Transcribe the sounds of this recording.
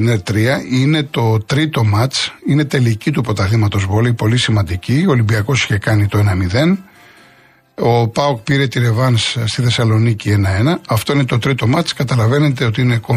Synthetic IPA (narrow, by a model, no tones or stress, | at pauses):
neɾt̪ɾiɐine̞t̪o̞t̪ɾit̪o̞mɐt͡sine̞t̪e̞licit̪̬upo̞t̪ɐlimɐt̪o̞zvoleipo̞lisimɐnd̪icioːlimbiɐko̞si̥çe̞kɐnit̪o̞e̞nɐmiðe̞n | o̞pɐok̚piɾe̞t̪iɾe̞vɐnsst̪iθe̞sɐlo̞nicie̞nɐe̞nɐɐft̪oine̞t̪o̞t̪ɾit̪o̞mɐt͡skɐt̪ɐlɐve̞ne̞t̪eo̞t̪iineko